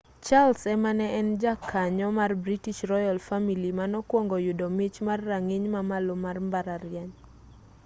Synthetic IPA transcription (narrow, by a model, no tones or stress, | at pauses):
t͡ʃalsɛmanɛʔɛnd͡ʒakʰːaɲɔmarbɾitiʃrɔjalfamilimanɔkwɔŋɡɔjʊdɔmit͡ʃmarːaŋeɲmamalomarmbaɾaɾɪjaɲ